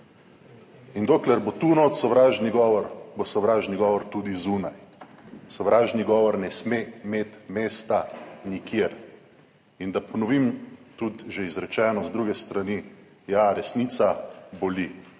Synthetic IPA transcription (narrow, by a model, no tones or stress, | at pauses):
ind̪oːklɛɾbot̪unɔːt̪sɔʋɾaːʒniɡɔːʋɔɾbosɔʋɾaːʒniɡɔːʋɔɾt̪ud̪izuːnaj | sɔʋɾaːʒniɡɔːʋɔɾnɛsmemeːt̪meːst̪anikʰjeɾ | ind̪apɔnɔʋimt̪ut̪ʒɛizɾɛt͡ʃɛːnɔzd̪ɾuɡɛst̪ɾani | jaɾɛsniːt̪sabɔli